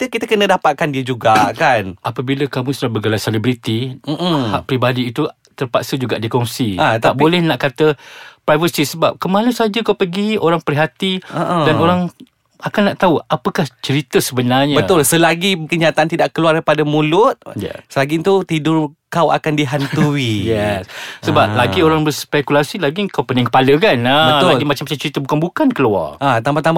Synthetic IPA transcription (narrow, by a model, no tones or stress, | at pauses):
t̪kit̪akənə̃dapat̪̚kandiəd͡ʒuɡakanʔapəbiləkamũsulabəɡalajselibɾit̪iʔm̩haʔ̚pɾibadiːt̪u | t̪ərpaksəd͡ʒuɡaʔdikɔŋsiat̪aʔbolɛhnaʔkat̪əpɾajvəsisəbap̚kəmãlusad͡ʒəkawpəɡioɾaŋpəɾiɦat̪iəʔədanoɾaŋ | akanːaʔt̪auapəkaht͡ʃəɾit̪əsəbənarɲabəʊlsəlaɡikəɲat̪aant̪idaʔkəluarapadəmũlʊt̪̚jɛ̰səlaɡint̪ut̪idʊrkawa̰kandiɦant̪uijɛssəbap̚laɡioɾaŋbəspɛkulasilaɡiŋkawpənɪ̃ŋkə̥paləkanabəlaɡimat͡ʃãmat͡ʃamt͡ʃəɾit̪əbukanbukankəlua̰rat̪ambat̪am